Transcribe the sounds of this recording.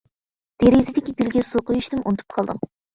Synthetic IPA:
d̪̥eɾizɪd̪ɪkʲibʲilɡʲɛsoqʊjyʃt̪ɪmʔunɨt̪ʰu̥p̚qʰɑlˠd̪ɨ̰m

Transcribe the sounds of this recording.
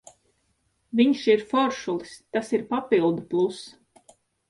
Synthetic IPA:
viɲʃiɾfɔɾʃulˠist̪asiɾpapilˠd̪uplˠus

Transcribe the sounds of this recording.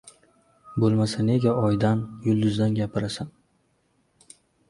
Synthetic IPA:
bolˠmasane̞ɡʲaɒjd̪anjʊlˠd̪ʊzd̪anɡʲapʰɪɾasan

